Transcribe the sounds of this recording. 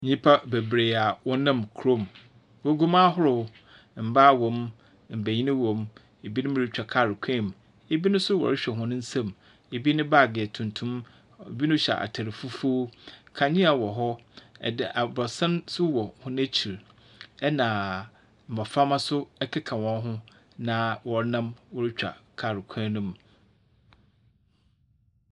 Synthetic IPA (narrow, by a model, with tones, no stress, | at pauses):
ɲĩ˦pʰa˦be˨bɾe˨a˨wɔ̃˦nã˦˨mkʰɾo˦m | wɔ˦ɡu˦ma˦ɦʊ˦ɾʊ˨w | m̩˨ba˦˨wɔ̃˨m | m̩˨bæ˨ɲi˦nɪ̃˦wɔ̃˨m | e˨bi˦nʊ̃˦mɪ̃˦˨ɾɪ˨t͡ɕᶣa˨kʰa˦˨ɾɪ˨kʷʰɛ̃˦˨m˨ | e˨bi˦nʊ̃˦sʊ˦wɔ̰˨ɪ˦ɕᶣɛ˨ɦʊ̃˦nʊ̃˦n̩˦sã˦˨m | e˨bi˦nʊ̃˦ba˦˨ɡɪ˨ɛ˨tʰʊ̃˨ntʰũ˦m | e˨bi˦nʊ̃˦ɕɛ̰˨ʔa̰˨tʰa˨ɾɪ˨fu˦fu˦kʰã˨ɲɪ̃˦a˨wɔ˨ɦɔ˦ɛ̰˨dɪ˨ʔa˨bɔ˨sã˦nsʊ˦wɔ˨hʊ̃˦n˦æ˦t͡ɕʰi˨ɾ | ɛ˦nãː˨ | m̩˨ã˨fa˦mã˦sʊ˦ɛ˦kʰɛ˦kʰa˨wɔ̃˨˦ɦʊ̃˦ | nã˨wɔ˨˦nã˦mwɔ˦ɾɪ˦t͡ɕᶣa̰˨kʰa˨ɾɪ˨kʰãː˦nʊ̃˦˨m